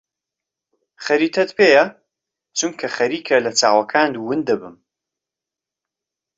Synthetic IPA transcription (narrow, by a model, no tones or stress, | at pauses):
χɐɾiːt̪ʰɐt̪pʰeːjɐ | t͡ʃʰuŋkʰɐxɐɾiːkʰɐlɐt͡sʰaːwɐkʰaːnd̪wɨnd̪d̪ɐbɨm